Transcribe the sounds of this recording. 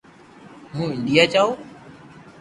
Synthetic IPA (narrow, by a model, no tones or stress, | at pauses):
ɦũːɪ̃nɖijaːt͡ʃaːoː